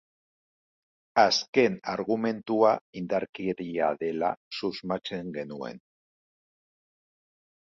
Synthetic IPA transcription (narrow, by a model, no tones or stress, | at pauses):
aske̞na̰ɾɣume̞nt̪uaind̪aɾkeɾiaðe̞la̰suzmat͡se̞ŋɡe̞nue̞̰n